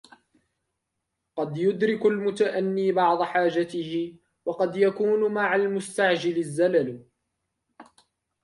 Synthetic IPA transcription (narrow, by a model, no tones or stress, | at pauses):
qɑd̪jʊd̪ɾɪkalmʊt̪aʔanːiːbɑʕd̪ˤħaːd͡ʒat̪ɪhɪ | wɑqɑd̪jakuːnmaʕalmʊst̪aʕd͡ʒɪlazːalal